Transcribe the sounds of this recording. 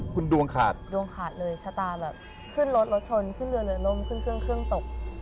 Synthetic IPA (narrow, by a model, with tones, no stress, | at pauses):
kʰu˧ndu˧əŋkʰa̰ː˨˩t̪̚du˧əŋkʰaː˨˩t̪̚lɤː˧jt͡ɕʰaː˧˥t̪aː˧bɛː˨˩p̚ | kʰɯ˥˩nlo˦˥t̪̚lo˦˥t̪̚t͡ɕʰo˧nkʰɯ˥˩nlɯ˧ənɯ˨˩˦lo˦˥˩mkʰɯ˥˩nkʰɯ˥˩əŋkʰɾɯ˥˩əŋt̪o˨˩k̚